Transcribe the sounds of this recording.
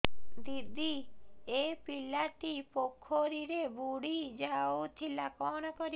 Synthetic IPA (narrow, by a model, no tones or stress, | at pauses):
d̪id̪ʱiepilaʈipokʰːoɾiɾebuɽid͡ʒaut̪ʰilakɔnɔkɔɾi